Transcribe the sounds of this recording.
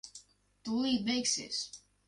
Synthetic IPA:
t̪uːiːbʲɛjksʲḭːsʲ

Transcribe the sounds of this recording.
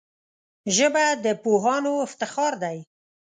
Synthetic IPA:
ʒəbad̪əpoɦɑnoɪft̪ɪxɑɾd̪aj

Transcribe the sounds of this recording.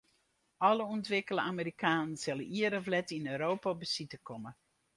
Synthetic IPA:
ɔləuntʋɪkələamiɾikʰaːnənsɪləiəɾəvlɛtinøːɾoːpabəsitəkɔmə

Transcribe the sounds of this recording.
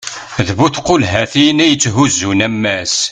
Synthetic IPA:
ðvuθqolɦæθinæjət͡sːɦuzːunæmːæs

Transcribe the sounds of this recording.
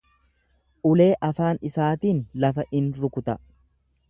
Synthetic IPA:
ʔʊle̞ːʔɐfaːnɪsaːt̪iːnlɐfɐʔɪnɾʊkʊt̪ɐ

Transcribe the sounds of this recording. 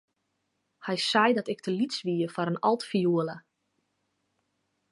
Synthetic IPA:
hɛjsɛjdɔtɪk̚tʰəlitsʋiəfɔɾənɔ̰lˠtfijuələ

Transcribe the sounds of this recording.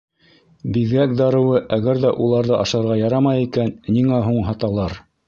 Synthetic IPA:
biðɡæk̚d̪ɑɾɤ̆wɤʔæɣæɾðæʔulˠɑɾðɤʔɑʃɑɾʁɑjɑɾɑmɑjikænːiŋæɦuɴɦɑt̪ɑlˠɑɾ

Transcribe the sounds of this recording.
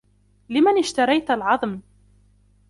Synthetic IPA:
lɪmanɪʃt̪ɑɾˤɑjt̪alʕɑðˤm

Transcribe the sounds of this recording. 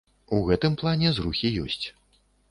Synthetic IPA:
uɣɛt̪ɨmplˠanʲɛzruxʲijɔ̰sʲt͡sʲ

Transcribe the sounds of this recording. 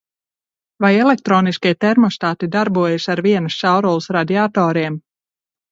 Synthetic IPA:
vajɛlek̚t̪ɾɔːniskit̪ɛɾmɔst̪aːt̪id̪aɾbuɔjesaɾviɛnusʃawɾɔlˠsɾad̪iat̪ɔːɾiɛm

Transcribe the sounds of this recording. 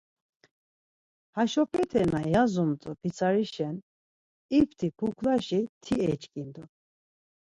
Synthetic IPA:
haʃɔpʰɛt̪ʰɛnajazɔmt̪ʼɔbit͡sʰaɾiʃɛn | ipʰt̪ʰipʰukʰlaʃit̪ʰiɛt͡ʃʼkʼind̪ɔ

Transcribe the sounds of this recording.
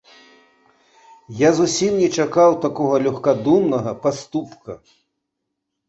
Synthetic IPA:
jazusʲimnʲɛt͡ʂakawt̪akɔɣɐlʲuxkad̪umnɐɣɐpast̪upkɐ

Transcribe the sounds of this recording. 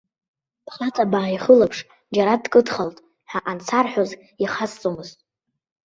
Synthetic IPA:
pʰχat͡sʰʼabaːʕiχəlapʰʂ | d͡ʒaɾadkʼɨdχaltʼ | ħaʔant͡sʰarħʷoz | iχast͡sʼomɨztʼ

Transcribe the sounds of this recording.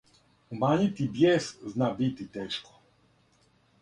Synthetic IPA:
umaːɲit̪ibjɛːsznabit̪it̪ɛːʃkɔ̥

